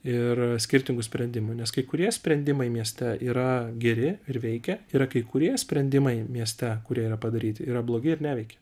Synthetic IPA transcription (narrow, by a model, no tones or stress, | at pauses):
ɪrsʲkʲɪɾʲt̪ʲɪŋɡʊsʲpʲɾʲɛnʲd̪ʲɪmʊnʲɛskɐɪkʊɾʲiɛsʲpʲɾʲɛnʲd̪ʲɪmɐɪmʲiɛsʲt̪ʲɛiːɾɐɡʲɛɾʲɪɪrʋʲɛɪkʲɛiːɾɐkɐɪkʊɾʲiɛsʲpʲɾʲɛnʲd̪ʲɪmɐɪmʲiɛsʲt̪ʲɛkʊɾʲiɛiːɾɐpɐd̪ɐɾʲiːt̪ʲɪiːɾɐblˠoːɡʲɪɪɾnʲæːʋʲɛɪkʲɛ̥